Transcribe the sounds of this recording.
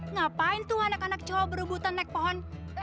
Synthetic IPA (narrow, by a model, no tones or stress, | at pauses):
napaint̪uhanakanak̚t͡ʃawɔbəɾubut̪anːɛk̚pɔɦɔn